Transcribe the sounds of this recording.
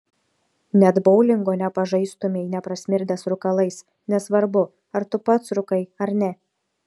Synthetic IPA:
nʲɛd̪bɔʊlʲɪŋɡoːnʲɛpɐʒɐɪst̪ʊmʲɛɪnʲɛpɾɐsʲmʲɪɾʲd̪ʲɛsɾʊkɐlˠɐɪs | nʲɛsʋɐɾbʊ | ɐɾt̪ʊpɐt̪sɾʊkɐɪɐɾnʲɛ

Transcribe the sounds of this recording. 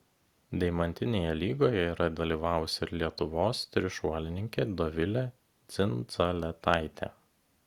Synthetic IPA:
d̪ʲɛɪmɐnʲt̪ʲɪnʲeːjɛlʲiːɡoːjɛiːɾɐd̪ʲɐlʲiːʋɑˑʊʊsʲɪɾlʲiɛt̪ʊʋoːst̪ʲɾʲɪʃuɔlʲɪnʲɪŋʲkʲeːd̪ɔʋʲɪlʲɛ | t̪sʲɪnt̪sɐlʲɛt̪ɑˑɪt̪ʲḛ

